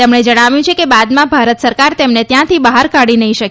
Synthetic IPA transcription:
t̪emɳed͡ʒəɽ̃aʋjũt͡ʃʰekebad̪mãbʱaɾət̪səɾkaɾt̪emnet̪jãt̪ʰibaɦaɾkaɽinəɦĩʃək

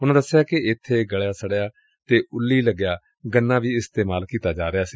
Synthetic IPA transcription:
ʊnãːd̪əsːɪjaːkɪɪt̪ʰːeːɡəɭejaːsəɽjaː | t̪eːʔʊlːiːləɡjaː | ɡənːãːʋiːɪst̪eːmaːlkiːt̪aːd͡ʒaːɾɪjaːsiː

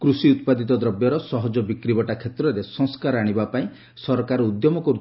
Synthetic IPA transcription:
kɾusiut̪pad̪it̪ɔd̪ɾɔbjɔɾɔsɔɦɔd͡ʒɔbikɾibɔʈakʰet̪ɾɔɾesɔ̃ŋskaɾaɽ̃ibapaĩ | sɔɾɔkaɾɔud̪jɔmɔkɔɾu

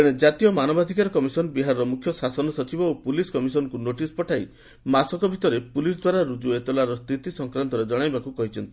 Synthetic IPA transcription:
eɽ̃ed͡ʒat̪ijɔmanɔbad̪ʱikaɾɔkɔmisɔnɔbiɦaɾɔɾɔmukʰjɔsasɔnɔsɔt͡ʃibɔopuliskɔmisɔnɔkunoʈispɔʈʰaj | masɔkɔbʱit̪ɔɾepulisd̪waɾaɾud͡ʒuet̪ɔlaɾɔst̪it̪isɔŋkɾant̪ɔɾed͡ʒɔɽ̃ajbakukɔɦit͡ʃʰɔnt̪i̥

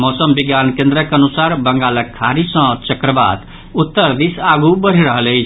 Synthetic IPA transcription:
mosəmbiɡjankẽnd̪ɾəkeənusaɾbəŋɡaləkʰːaɾisə̃t͡ʃəkɾəba̰d̪ | ut̪ːəɾd̪isaɡubəɾ̤iɾəɦələjt͡ʃʰ

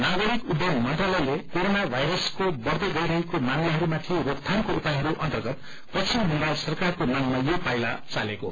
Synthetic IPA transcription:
naɡʌɾikud̪jʌɡmʌnʈralʌjlekoɾonabʱajɾʌskobʌrd̪ʌɡʌjɾʌɦekomamliɦʌɾumat̪ʰirokt̪ʰankoupajɦʌɾuʔʌnt̪ʌrɡʌt̪ | pʌt͡sʰimmumbajlsʌrkarkonʌmːajopajla̰t͡saleko̰

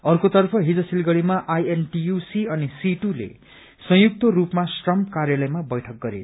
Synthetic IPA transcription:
ʌrkot̪ʌrpʰʌɦid͡zʌsilɡʌɽimaʔajenʈijusiʌnisiʈulḛ | sʌjuk̚t̪ʌrupmasʈrʌmpkarjalʌjmabʌjʈʰʌk̚ɡʌɾḛ

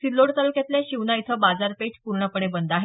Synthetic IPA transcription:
silːoɽt̪əlkjat̪ljaɕiʋnait̪ʰəbad͡zaɾpeʈʰpuɾɳəpəɽebənd̪aɦe

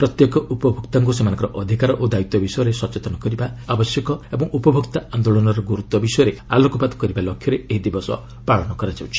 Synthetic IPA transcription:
pɾɔt̪jekɔʔupɔbʱukt̪aŋk̬usemanɔŋkɔɾɔʔɔd̪ʱikaɾɔʔod̪ait̪ɔbisɔjɔɾesɔt͡ʃet̪ɔnɔkɔɾibaabɔsjɔkɔebɔŋupɔbʱukt̪aand̪oɭɔnɔɾɔɡuɾut̪ɔbisɔjɔɾealɔkɔpad̪ɔ̥kɔɾibalokʰjɔɾeeɦid̪ibɔsɔ̰ | paɭɔnɔkɔɾad͡ʒawt͡ʃʰi̥

